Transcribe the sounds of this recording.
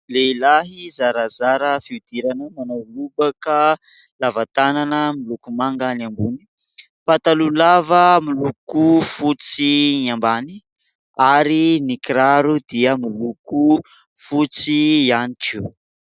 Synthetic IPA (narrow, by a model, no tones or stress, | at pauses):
lelaɦizaɾazaɾəfiud̪iɾanəmanawlubakə | lavat̪ananəmilukumaŋɡaniambuni̥ | pat̪alulavəmilukufut͡sinambani | aɾinikiɾaɾud̪iəmiluku | fut͡sianiki